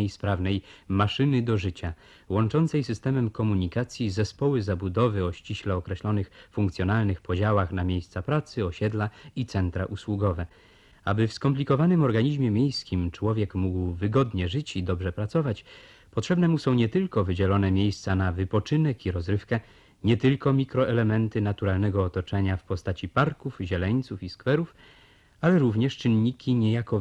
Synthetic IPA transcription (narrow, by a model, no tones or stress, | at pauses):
ejspɾavnɛjmaʂɘnɘd̪ɔʐɘt͡ɕa | wɔnt͡ʂɔnt̪sɛjsɘst̪ɛmɛmkɔmuɲikat̪sʲjizɛspɔwɘzabud̪ɔvɘɔɕt͡ɕiɕlɛɔkɾɛɕlɔnɘxfuŋkt̪sʲjɔnalnɘxpɔd͡ʑawaxnamʲjejst̪sapɾat̪sɘɔɕɛd̪lait̪sɛnt̪ɾa̰ʔuswuɡɔvɛ | abɘfskɔmplʲikɔvanɘmɔɾɡaɲiʑmʲjɛmʲjejskʲimt͡ʂwɔvʲjɛkmuɡwvɘɡɔd̪ɲɛʐɘt͡ɕid̪ɔbʐɛpɾat̪sɔvat͡ɕ | pɔtʂɛbnɛmusɔ̃w̃ɲɛt̪ɘlkɔvɘd͡ʑɛlɔnɛmʲjejst̪sanavɘpɔt͡ʂɘnɛkiɾɔzɾɘfkɛ | ɲɛt̪ɘlkɔmʲikɾɔʔɛlɛmɛnt̪ɘnat̪uɾalnɛɡɔːt̪ɔt͡ʂɛɲafpɔst̪at͡ɕipaɾkufʑɛlɛɲt̪sufiskfɛɾuf | alɛɾuvɲɛʂt͡ʂɘnɲikʲiɲɛjakɔ